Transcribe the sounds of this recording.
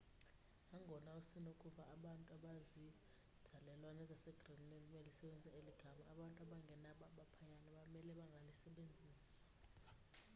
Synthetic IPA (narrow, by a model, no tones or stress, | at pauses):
aŋʱɔnausinokʼuɓaːɓantʼuaɓazi | d̥ʱalɛlwanɛzasɛɡ̥ʱrimnɛmɛlisɛɓend͡zʱaeliɡ̥ʱamaːɓantʼuaɓaŋɡʱɛnaɓaɓapʰaɲanaɓamɛlɛɓaŋɡʱalisɛɓend͡zʱiːs | ḁ